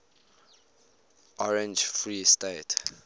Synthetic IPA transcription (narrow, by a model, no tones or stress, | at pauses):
ʔɔɹɛ̃nd͡ʒfɹistet